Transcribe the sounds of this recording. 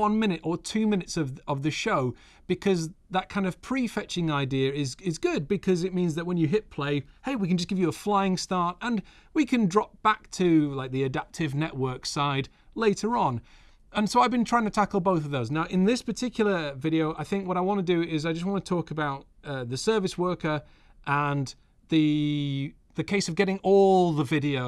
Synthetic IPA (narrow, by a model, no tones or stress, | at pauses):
wʌ̃nmɪ̃ñɨɾə˞tʰʉmɪ̃nɨtsʌvʌvðɨʃoʊ | b̥ɨkʰʌzðət̚kʰãɪ̃ndʌv̥pʰɹ̥ifɛt͡ʃɪ̃ŋaɪdiəɹɪzɪzɡʊd̚bɨkʰʌzɨt̚mĩnzðɨt̚wə̃njɨɦɪt̚pʰl̥eɪheɪwikɨ̃n̩d͡ʒʌsɡ̥ɪvjɨəflaɪɪ̃ŋstɑɹtə̃n | wikʰɨ̃ndɹɑp̚b̥ak̚tʰɨlaɪk̚ðiɨdæp̚tʰɨvnɛʔwɜ˞ksaɪd | leɪɾə˞ə̃n | ə̃nsoʊaɪvbɨ̃ntʰɹ̥aɪɪ̃ŋtʰɨtʰakl̩ˠboʊθʌvðoʊznaʊʔɪ̃nðɪspə˞tʰɪkʰjl̩ˠə˞vɪɾioʊʔaɪθɪ̃ŋkwʌɾaɪwɑ̃nədɨɪzaɪd͡ʒʌst̚wɑ̃nətʰɔkəbaʊt̪̚ʌðɨsɜ˞vɨswɜ˞kə˞ | ʔə̃n | ðɨ | ðɨkʰeɪsʌvɡɛɾɪ̃ŋɔlˠðəvɪɾioʊ